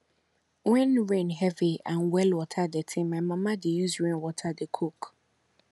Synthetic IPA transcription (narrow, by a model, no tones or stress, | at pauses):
wɪ̃nɹɛ̃nɦɛviãnwɛlwɔtʰadɛtʰɪ̃mãmãmãdejusɹẽnwɔtʰadɛkʰok